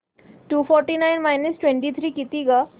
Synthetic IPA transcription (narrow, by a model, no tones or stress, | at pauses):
ʈuːfɔɾʈinajnmajnəsʈwẽɳʈit̪ʰɾiːkit̪iɡa